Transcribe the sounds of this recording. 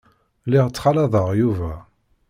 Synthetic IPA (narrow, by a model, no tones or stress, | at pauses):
liʁt͡sːχɑlɑðˤəʁjuvæ